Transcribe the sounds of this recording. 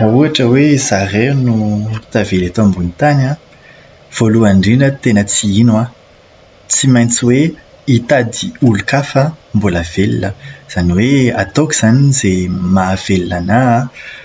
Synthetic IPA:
rauaʈ͡ʂəwezarenuit̪avelat̪oambunit̪ana | v̥oluaɳɖ͡ʐinət̪enət͡siinwa | t͡simajnt͡siwe | it̪ad̪iulukafəmbulavelinəz̥aniweat̪okʲiz̥anizemav̥elinana

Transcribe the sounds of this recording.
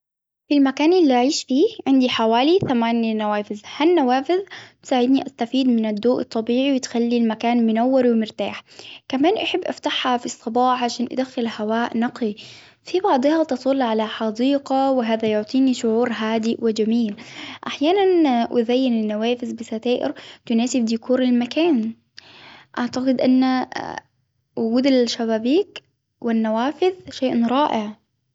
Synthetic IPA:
filmakaːnʔɪlːiʔaʕiːʃfiːʕɪnd̪iħawaːliθamaːnnawaːfɪzhanːawaːfɪðt̪saːʕɪd̪niʔast̪afiːd̪mɪnad̪ːoːʔɨt̪ˤːɑbiːʕiwɪt̪xalːilmakaːnmʊnawːɪɾwɪmɪɾt̪aːħkamaːnʔaħɪbːʔa̰ft̪aħhafisˤːɑbɑːħʕaʃaːnʔa̰d̪axːɪlhawaːʔnɑqi | fibɑʕd̪ˤɨhɑt̪ɑsˤʊlːʕalaħɑd̪iːqawɪɦaːðajʊʕt̪ˤiːniʃʊʕuːɾɦaːd̪ɪwɪd͡ʒamiːlʔaħjaːnanʔɪ̰ðajːɪnɪnːaweːfɪzbɪsat̪aːʔɪ̰ɾt̪ʊnaːsɪbd̪ɪkuːɾɪlmakaːn | ʔaʕt̪aqɪd̪ʔanːa | wʊɡuːd̪alʃaβaːbiːk | wɪnːawaːfɪðʃeːʔɾˤɑːʔɪʕ

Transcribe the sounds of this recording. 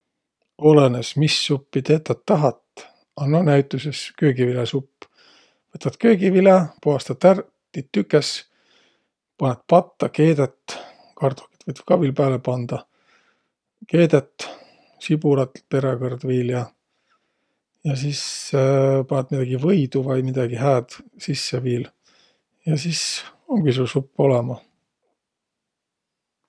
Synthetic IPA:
o̞lenesmisːupːit̪e̞ːt̪ːˑɑt̪ːɑɦɑt̪ˑ | ɑnːɑnæjt̪ːˑuseskøːɡivilesupː | vɤt̪ːɑt̪kø̞ːɡivilɑpuɑst̪ɑt̪ær | t̪ːit̪ːykːˑes | pɑnet̪̚pɑt̪ːɑke̞ːd̪et̪ | kɑrt̪o̥kːi̥t̪vɤjt̪kɑvilpæːlepɑnd̪̥ɑ | ke̞ːd̪et̪ːˑ | sibulɑt̪pe̞ɾekɑrd̪viːljɑ | jɑs̬is | pɑnet̪mid̪ɑɡ̥ivɤjd̪̥uvɑjmid̪̥ɑɡ̥iɦæːd̪̥sisːeviːl | jɑsisoŋɡ̥is̬ulsupːo̞lɛmɑ

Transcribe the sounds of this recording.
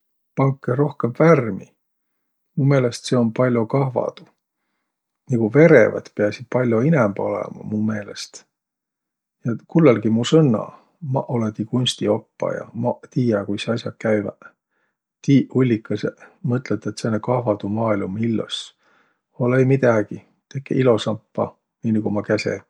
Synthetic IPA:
pɑŋkːˑeɾo̞hke̞mværmi | mume̞ːlest̪se̞o̞npɑlʲjokɑɦvɑ̰d̪̥u̥ | niɡ̥uve̞ɾḛvɑ̰d̪̥pe̞ɑsid̪̚pɑlʲjoinɛmbo̞lɛ̰mɑ̰mume̞ːle̞st̪ | jɑkulːelɡimusɤnːɑ̰ | mɑʔolet̪ikunʲst̪io̞pːɑ̰jɑ̰mɑt̪iːjɑkujseɑsjɑkæjvɑ̰ | t̪ihulʲːikːˑɑsemɤt̪ːˑlet̪ːˑet̪senːekɑhvɑd̪̥umɑːilmumilːo̰s | olejmid̪ɑɡ̥i | t̪e̞kːḛilo̞sɑmpːɑ̰ | niːniɡumɑkæsḛ

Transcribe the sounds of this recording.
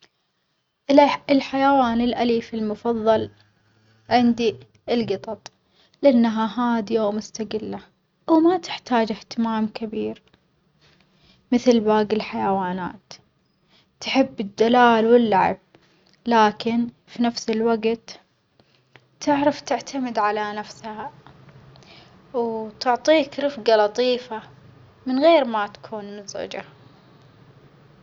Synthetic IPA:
ɪlħajawaːnɪlʔaliːfɪlmʊfɑðˤːɑl | ʕɪnd̪i | ɪlɡɨt̪ˤɑt̪ˤ | lɪʔanːaɦaɦaːd̪ijwmʊst̪aɡɪlːa | wmat̪ɪ̥ħt̪aːd͡ʒɪht̪ɪmaːmkabiːɾ | mɪθlbaːɡɪlħajawaːna̰ːt̪ː | ħɪbːɪd̪ːalaːlwɪlːaʕa̰b̚ | laːkɪn | finafsɪlwaɡt̪ | ɪʕɾaft̪ɪʕt̪ʰamɪd̪ʕalanafsha | wt̪ʊʕt̪ˤiːkɾɪfɡalɑt̪ˤiːfa | mɪnɣeːɾmat̪ḁkʰuːnmʊzʕʊ̰d͡ʒa

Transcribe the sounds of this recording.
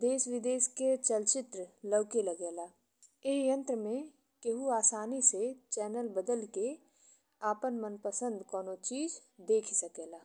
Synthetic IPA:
d̪eːsʋɪd̪eːsket͡ʃəlt͡ʃɪt̪ɾələʋkeləɡeːlaː | eːjə̃nt̪ɾəmẽ | keɦuaːsaːniset͡ʃɛːnəlbəd̪əlke | aːpənmənpəsə̃nd̪kɔːnot͡ʃiːd͡ʒ | d̪eːkʰsɐkeːlaː

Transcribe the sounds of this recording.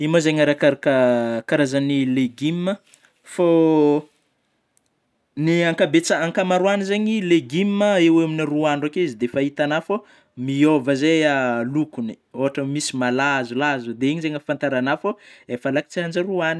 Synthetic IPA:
imozeɲəɾakaɾakakaɾazanileɡimːə | fo | niaŋkabet͡saaŋkamaɾuanizeɲileɡimːəeweaminiruaɳɖ͡ʐakeizid̪efait̪anafo | miovəzealukuni̥ | oɦaʈ͡ʂəmisimalazulazud̪eeɲizeɲəfant̪aɾanafoefəlaki̥t͡siand͡ʒaɾuani̥

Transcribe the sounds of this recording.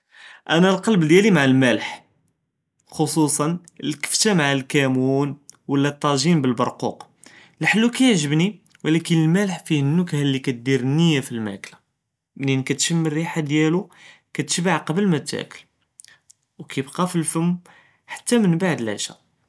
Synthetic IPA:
ʔænælqɑlbd̪jælimaʕalmæləħ | xosusˤɑn | əlkə̥ft̪æmaʕalkæmunwəlːæt̪ˤːɑʒinbəlbɑɾˤqṵq | lħəlːukæjəʕʒəbni | wlækənəlmæləħfihənːʊkhlːikæt̪̚d̪iɾnːəjːafilmæ̰kla | mlinkæt̪ʃəmːərːiħad̪jælukæt̪ə̥ʃbaʕqɑbəlmæt̪ːæ̰kəl | wkæjəbqɑfilfəmː | ħḁt̪ːæmənbaʕd̪əlʕæ̰ʃæ̰

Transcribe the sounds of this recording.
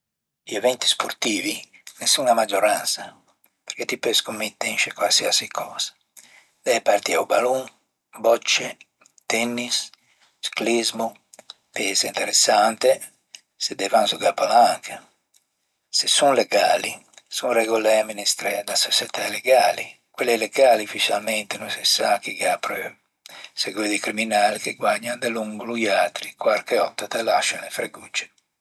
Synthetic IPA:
liɛvɛnt̪i̥sport̪iːvinesuŋamad͡ʒoɾansa | peɾket̪ːipɛskomːet̪ːɛnʃekwalsiasikʰɔːz̥ḁ | d̪̥ɛjpart̪iaubaluŋ | bɔt͡ʃːe | t̪ɛnːis | sklizmu | pɛsaint̪eɾesːant̪e | sed̪ɛvansuɡapːalaŋkʰa | sesunleɡaːlisunrɛɡolɛaminist̪ɾɛd̪asosɛt̪aleɡaːli | kwelːɛleɡaːlifit͡ʃalmɛnt̪enũnsɛsakːiɡapɾe | seɡweðikɾiminaːlikeɡwaɲːand̪eluŋɡlujat̪ɾikwaɾkeɔt̪ːat̪alaʃːanefɾeɡut͡ʃːe̥

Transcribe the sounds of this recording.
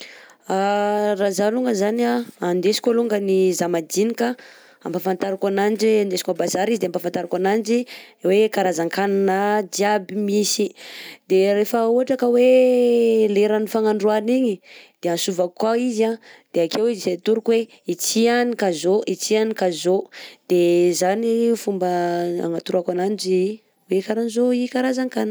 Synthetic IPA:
arazaluŋɡəzanaand̪esi̥kʲaluŋɡənizamad͡ʒinikə | a̰mpafant̪aɾakanand͡ʒand̪esi̥kabazaɾizid̪eampafant̪aɾakanand͡ʒiwekaɾazaŋkananad͡ʒiabimisid̪erefauɦaʈ͡ʂakəwe | leɾanifaŋaɳɖ͡ʐuaniɲid̪̥eansuvakːwaizad̪̥eakewiziset̪uɾukwe | it͡sianikazoʔit͡sianikazod̪̥ezanifumbəa̰ŋat̪uɾakanand͡ʒi | wekaɾanizoikaɾazaŋkan

